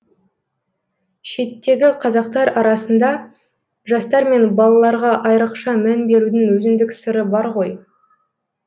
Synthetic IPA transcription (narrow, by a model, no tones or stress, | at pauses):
ʃe̞t̪ːe̞ɡʲɪqʰɑzɑqt̪ɑɾɑɾɑsənd̪ɑ | ʒɑst̪ɑɾme̞nbɑlˠɑlˠɑɾʁɑʔɑjɾəqʃɑmænbe̞ɾud̪ɪŋwɵzɪnd̪ɪksəɾəbɑɾʁo̞j